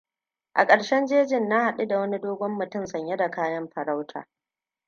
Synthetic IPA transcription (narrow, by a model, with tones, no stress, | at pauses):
ʔa̰˨kʼɐ˨ɽʃɛ˦nd͡ʒeː˦d͡ʒɪ˦˨nːa˦ha˨ɗu˦da˨wɐ˦ni˦doː˦ɡʷɔ˦mːʊ˨tʊ˦˨msɐ˨ɲje˦da˨kaː˦jɐ˦mɸɐ˨ɾa˦wtʰa̰ː˨